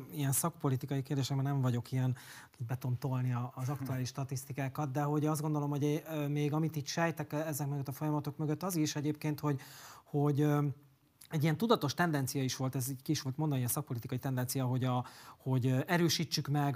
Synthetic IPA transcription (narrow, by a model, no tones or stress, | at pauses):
ijɛnsɒkpo̞lit̪ikɒjikeːrd̪eːʃɛk̚bɛnɛɱvɒɟo̞kijɛn | kibɛt̪ont̪o̞lniɒːzɒkt̪uaːliʃːt̪ɒt̪ist̪ikaːkɒt̪d̪ɛɦo̞ɟɒzdɡond̪o̞lo̞mho̞ɟmeːɡɒmit̪iːt̪ʃɛjt̪ɛkɛzɛkmøɡøt̪ːɒfo̞jɒmɒt̪o̞kmøɡøt̪ːɒziʃɛɟeːpkeːnt̪ho̞ɟho̞ɟ | ɛɟiɛnt̪ud̪ɒt̪o̞ʃt̪ɛnd̪ɛnt̪sijɒiʃʋo̞lt̪ɛziːckiːʃʋo̞lt̪mond̪nijɛnsɒk̚po̞lit̪ikɒjit̪ɛnd̪ɛnt̪sijɒɦo̞ɟɒho̞ɟɛɾøːʃiːt͡ʃːykmɛɡ